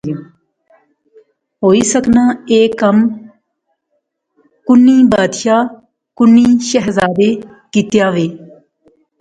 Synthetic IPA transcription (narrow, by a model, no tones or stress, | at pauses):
ɦoːiːsəknaːeːkəm | kʊnːiːbaːd̪ʃaː | kʊnːiːʃɛɦzaːd̪eː | kiːt̪jaːʋeː